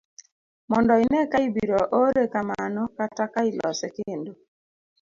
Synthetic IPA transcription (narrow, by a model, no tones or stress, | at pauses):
mɔndɔɪnɛkaibiɾɔʔoɾekamanɔkatakailɔ̰sɛkɪndo